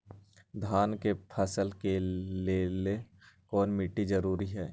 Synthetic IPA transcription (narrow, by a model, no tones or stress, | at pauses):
d̪ʱaːnkepʰɐsəlkeleːle | kɔːnmɪʈːid͡ʒəɾuːɾiɦɛː